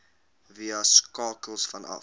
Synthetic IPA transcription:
viəskɑːkəlˠsfɐnɐ̰

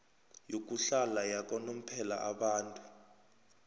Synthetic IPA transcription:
jok̬ʼuɬalajak̬ʼɔnom̩pʰɛla̰ʔaɓaːntʼu

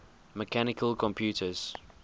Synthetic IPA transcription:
məkʰanɪkʰəlkʰɔ̃mpʰjuːtʰəz̥

